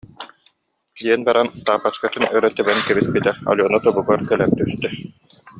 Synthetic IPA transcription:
d̪iɛnbaɾant̪aːpːaskat̪ɯnœɾœt̪ːɛbɛnkɛbispit̪ɛɔ̰lʲɔnɔt̪ɔbuɡaɾkœlɛmt̪yst̪œ

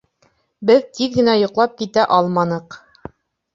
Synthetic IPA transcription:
bɘðt̪iðɡɘ̆næjŏqlˠɑp̚kit̪æʔɑlˠmɑnɤq

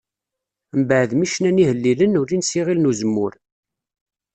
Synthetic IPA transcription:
mbəʕðmiʃnænihəlːilənuɾinsiʁilnuzəmːʊɾ

